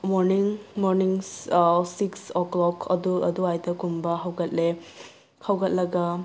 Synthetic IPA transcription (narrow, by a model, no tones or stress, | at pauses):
mɔɾniŋmɔɾniŋ | siksɔklɔkʰɐ̰duɐ̰duajdɐkumbɐɦawɡɐt̚le | hawɡɐt̚lɐɡɐ